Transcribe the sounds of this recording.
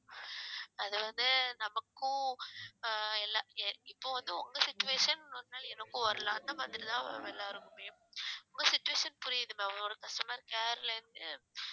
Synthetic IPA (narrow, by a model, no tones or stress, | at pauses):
ɐðɯʋɐnd̪ɯnɐmɐkːʊ̃ | ɛlːaːɪpːoːʋɐnd̪ɯɔŋɡɐsɪt͡ʃːʊʋeːʂɐnɐnnaːlɛnɐkːʊ̃ʋɐɾɯlãːɐnd̪ɐmaːðɪɾit̪ãːɐ̰ɛlːaːɪɾɯkːɯmeːmʊŋɡɐsɪt͡ʃːʊʋeːʂɐnpʊɾɪjɐðɯmeʋɐloːɾɐkɐsʈɐmaːɾkeːɾlɐɾɯnd̪ɯ